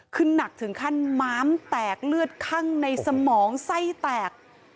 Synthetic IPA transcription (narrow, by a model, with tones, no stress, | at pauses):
kʰɯ˧nːa˨˩k̚t̪ʰɯ˩˦ŋkʰa˥˩nmaː˦˥mt̪ɛː˨˩k̚lɯ˥˩ət̪̚kʰa˥˩ŋna˧jsa˧mɔː˩˦ŋsa˥˩jt̪ɛː˨˩k̚